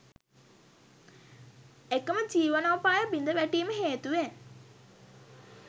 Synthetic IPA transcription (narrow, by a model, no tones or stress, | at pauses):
ekəməd͡ʒiːʋanawpaːjəbind̪əʋæʈiːməɦeːt̪uʋen